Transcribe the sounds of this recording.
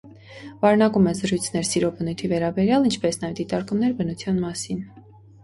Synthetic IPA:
vɑɾɛnɑkumɛzəɾujt͡sʰnɛɾsiɾɔbənujt̪ʰivɛɾɑbɛɾjɑlint͡ʃʰpɛsnɑjɛvd̪it̪ɑɾkumnɛɾbənut͡sʰjɑnmɑsin

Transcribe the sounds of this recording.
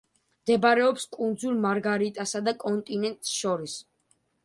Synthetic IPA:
md̪ɛbaɾɛɔpskʼund̪zulˠmaɾɡaɾit̪ʼasad̪akʼɔnt̪ʼinɛnt̪ʼsʃɔɾis

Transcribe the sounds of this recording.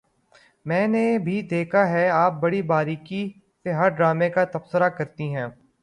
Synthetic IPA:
mɛ̃ːnebʱid̪eːkʰaɦɛaːp̚bɐɽibaːɾiːki | seɦɐɾɖɾaːmekat̪ɐbsəɾakɐɾt̪iɦɛ̃ː

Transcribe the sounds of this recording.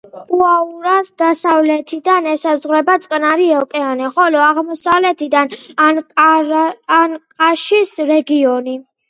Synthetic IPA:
uauɾasd̪asavlɛt̪ʰid̪anɛsazʁɾɛbat̪sʼqʼnaɾiɛkʼɛanɛχɔlɔaʁmɔsavlɛt̪ʰid̪anan | nkʼaʃisɾɛɡiɔni

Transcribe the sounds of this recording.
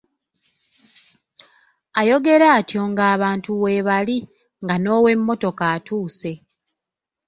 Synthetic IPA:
ajo̞ɡe̞ɾaːtjo̞ŋɡaːβaːntuwe̞ːβali | ŋɡano̞ːwe̞mːo̞to̞kaːtuːse̞

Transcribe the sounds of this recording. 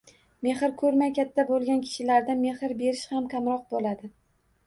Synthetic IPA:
me̞χɪɾkʰɵɾmajkʲʰat̪ʰːabolˠɡʲankʲʰɪ̥ʃɪlaɾd̪ame̞hɪɾbe̞ɾɪʃhamkʲʰamɾɒq̚bolad̪ɪ

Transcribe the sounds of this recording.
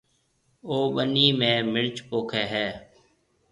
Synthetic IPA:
oːɓəniːmẽːmɪɭt͡ʃpoːkʰeːɦɛː

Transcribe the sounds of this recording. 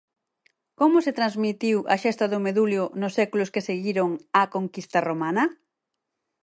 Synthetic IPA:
komʊset̪ɾanzmit̪iwʔɐ̰ʃɛst̪ɐðʊmeðuljʊnʊsɛkulʊskeseɣiɾoŋakoŋkist̪ɐromanɐ

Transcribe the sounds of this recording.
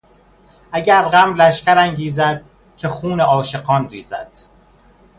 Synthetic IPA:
ʔæɟæɾɢæmlæʃcæɾæŋɟiːzæd̪̥̚ | cʲʰe̞xuːneʔɒːʃe̞ɢɒːnrḭːzæ̰d̪̥

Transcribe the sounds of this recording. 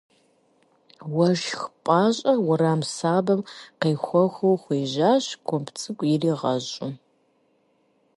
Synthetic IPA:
wɐʒxpʼaːɕʼɐwʊɾaːmsaːbɐmqɐjxʷɔxʷowχʷeːʑaːɕkʷʰɔmpʰt͡sʰʼɨkʷʼjɪriːʁɐ̰ʑʼʊ

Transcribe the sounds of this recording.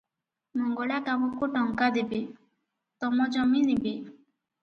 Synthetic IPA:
mɔŋɡɔɭakamɔkuʈɔŋkad̪ebe | t̪ɔmɔd͡ʒɔminibe

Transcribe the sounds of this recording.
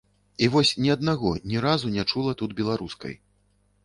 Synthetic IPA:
ivɔsʲnʲiɐd̪naɣɔnʲɛɾazunʲɛt͡ʂulˠɐt̪ud̪bʲɛlˠaɾuskɐ̰j

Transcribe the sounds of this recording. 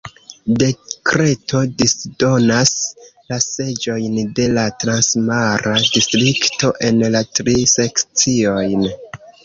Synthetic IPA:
de̞kɾe̞tʰo̞disdo̞naslase̞d͡ʒo̞jnde̞latɾansmaɾadistɾikto̞ʔe̞nlatɾise̞kt͡sio̞jn

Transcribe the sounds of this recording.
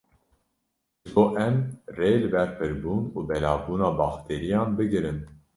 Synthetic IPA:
ʒɨboːʔɛmreːlɨbɛɾpʰɨɾbuːnuːbɛlɑːbuːnɑːbɑːxt̪ʰeːɾijɑːnbɨɡɨɾɨn

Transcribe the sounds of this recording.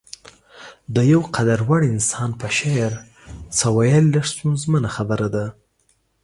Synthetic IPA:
d̪əjawqʰad̪aɾwaɽɪnsɑnpəʃejɾ | t͡sawajalilaʂt̪unzmənaxabəɾad̪a

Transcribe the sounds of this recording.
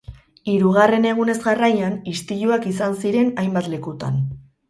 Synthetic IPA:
iɾuɣ̞are̞ne̞ɣ̞une̞zɣarajanist̪iʎuakisansiɾe̞najmbat̪le̞kut̪a̰n

